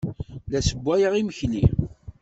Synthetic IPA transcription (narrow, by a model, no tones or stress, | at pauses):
læsəbʷːæjəʁiməçli